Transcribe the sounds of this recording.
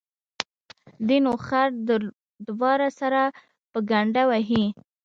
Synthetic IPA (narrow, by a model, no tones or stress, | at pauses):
d̪inoxaɾd̪ə | d̪wɑɾasaɾa | pəɡaɳɖawaɦi